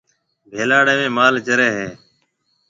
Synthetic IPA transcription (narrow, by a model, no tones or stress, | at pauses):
bʱeːlaːɽeːmẽːmaːlt͡ʃəɾeːɦeː